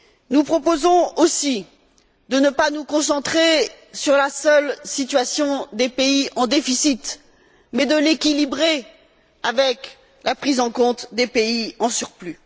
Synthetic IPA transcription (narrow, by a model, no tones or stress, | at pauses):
nupχɔpozɔ̃osi | d̪ənəpanukɔ̃sɑ̃t̪χe | syʁlasœlsit̪ɥasjɔ̃d̪epeiɑ̃d̪efisit̪ | mɛd̪əlekʲilibʁe | avɛk | lʔapχizɑ̃kɔ̃t̪d̪epeiɑ̃syʁply